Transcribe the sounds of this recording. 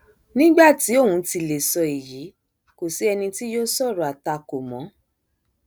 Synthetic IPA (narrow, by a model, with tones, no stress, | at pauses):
nĩ˦ɡ͡ba˦˨ti˨˦o˦˨wũ˨˧ti˧le˨sɔ˧i˨ji˨˦ | ko˨si˨˦ɛ˧nĩ˧ti˦joː˦sɔ˦˨ɾɔ˨a˨ta˧ko˨mɔ̃˨˦